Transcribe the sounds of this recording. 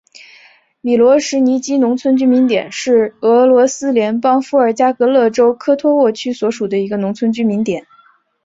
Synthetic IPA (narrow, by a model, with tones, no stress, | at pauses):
mi˨˩lwɔ˧˥ʂɻ̩˧˥ni˧˥t͡ɕi˥nʊ˧˥ŋt͡sʰwə˥nt͡ɕy˥mi˧˥nt̪jɛ̰˨˩nʂɻ̩˥˩ɤ˧˥lwɔ˧˥sɹ̩˥ljɛ˧˥npɑ˥ŋfu˧˥ə˞˨˩t͡ɕja˥kɤ˧˥lɤ˥˩ʈ͡ʂo˥ʊkʰɤ˥t̪ʰwɔ˥wɔ˥˩t͡ɕʰy˥swɔ˧˥ʂu˨˩d̪ə˦i˧˥ɡə˧nʊ˧˥ŋt͡sʰwə˥nt͡ɕy˥mi˧˥nt̪jɛ˨˩˦n